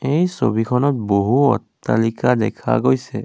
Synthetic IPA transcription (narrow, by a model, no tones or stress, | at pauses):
ejso̰bikʰɔnɔt̚boɦuɔ̰tːalikadɛkʰa̰ɡojsɛ